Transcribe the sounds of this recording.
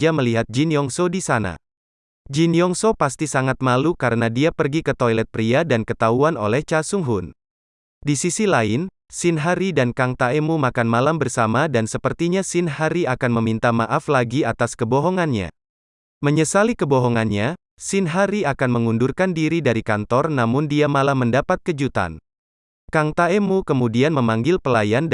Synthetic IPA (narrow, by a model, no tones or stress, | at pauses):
d͡ʒaməliɦat̪̚d͡ʒinjɔŋsodisana̰ | d͡ʒinjɔŋsopast̪isaŋat̪̚malukaɾənadiapərɡikət̪ojlɛt̪̚pɾiadankət̪auano̰lɛht͡ʃasuŋɦʊn | disisilaɪn | sinɦaɾidankaŋt̪aemumakanmalambərsamadansəpərt̪iɲasɪnɦaɾiakanməmint̪amaʔaflaɡiat̪askəbɔɦɔŋanɲa̰ | məɲəsalikəbɔɦɔŋanɲa | sɪnɦaɾiakanməŋundurkandiɾidaɾikant̪ɔrnamʊndiamalahməndapat̪̚kəd͡ʒut̪a̰n | kaŋt̪aɛmukəmudianməmaŋɡɪlpəlajan